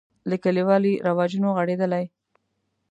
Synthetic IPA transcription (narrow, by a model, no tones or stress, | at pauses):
ləkəliwɑliɾawɑd͡ʒunoɣaɽed̪əlaj